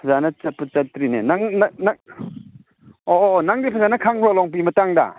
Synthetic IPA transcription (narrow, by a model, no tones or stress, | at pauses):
pʰɐzanɐt͡ʃɐt̚pɐt͡ʃɐtːɾinḛnaŋnanaŋ | oʔnaŋdipʰɐzanɐkʰaŋpʰɾolɔŋp̬imɐtaŋdɐ̰